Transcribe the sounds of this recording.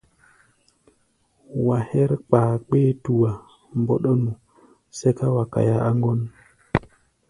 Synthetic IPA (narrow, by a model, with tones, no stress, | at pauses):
wa˨he˦ɾk͡paː˨k͡pe˦tu˨wa˨ | mbo˦ɗo˦nu˨ | se˦ka˦wa˨ka̰˨ja˦a˦ŋɡo˦n